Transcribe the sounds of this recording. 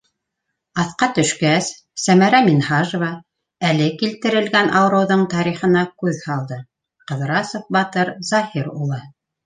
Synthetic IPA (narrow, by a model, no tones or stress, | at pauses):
ɑθqɑt̪ɵ̆ʃkæsː | æmæɾæminhɑʒŏvɑ | ælɘkilt̪ɘ̆ɾɘ̆lɡænʔɑwɾɤ̆wðɤɴt̪ɑɾiχɤ̆nɑkʉðhɑlˠd̪ɤ | qɤ̆ðɾɑsofbɑt̪ɤɾzɑhiɾṵlˠɤ